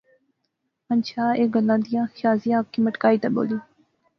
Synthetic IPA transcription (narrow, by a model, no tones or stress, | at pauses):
mənʃaːeːɡəlːãːd̪ɪjãːxʰaːzijãːkːiːməʈkaːiːt̪abo̰ːliː